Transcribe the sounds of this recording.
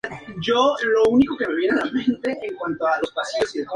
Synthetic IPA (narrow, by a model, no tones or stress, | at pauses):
d͡ʒolo̞uniko̞ke̞me̞βje̞nealamẽ̞nt̪e̞ʔːŋkwant̪oalo̞spasiosiðek